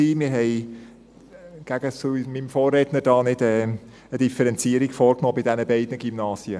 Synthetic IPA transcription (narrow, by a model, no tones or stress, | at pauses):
iːmɪɾɦɛɪ | ɡ̥æɡ̥əsumimfoːrːɛtnəɾd̥ɑːnɪd̥ɛː | əd̥ifəɾɛnt͡siːəɾiɡfɔːɾknoːbɪd̥ɛnəbɛɪdnəɡimnɑːsjə